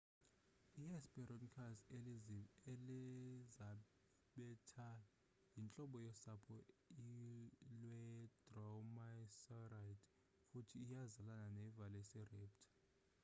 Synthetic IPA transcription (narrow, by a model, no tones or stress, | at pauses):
iɛspɛɾɔnkʰaseeliza | ɓɛtʰa | jint͡ɬʼɔɓɔjɛsapʰɔilwɛd̥rɔmasarajtʰʼ | futʰiːjazalananɛvalɛsɛrip̚tʰḁ